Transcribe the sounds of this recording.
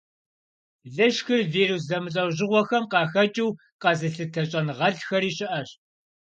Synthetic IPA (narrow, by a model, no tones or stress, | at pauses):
ɮɨʃxɨrviːrus̬zɐmɨɬʼɐwʑɪʁʷɔxɐmqɑːxɐt͡ʃʼiw | qɑzɨɬɨtʰɐɕʼɐnʁɐɮxɐɾiːɕɪʔɐɕ